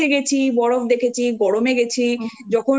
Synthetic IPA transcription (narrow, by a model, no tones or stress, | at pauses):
eɡet͡ɕʰibɔɽobd̪ekʰet͡ɕʰiɡɔɽomeɡet͡ɕʰid͡ʑɔkʰo